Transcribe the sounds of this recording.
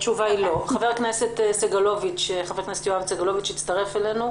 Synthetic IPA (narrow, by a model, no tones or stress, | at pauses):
t͡ʃuvailo̞χave̞ʁkneset̪seɡalo̞vit͡ʃχaveʁkneset̪joavseɡalo̞vit͡ʃit̪t͡st̪aʁefelenu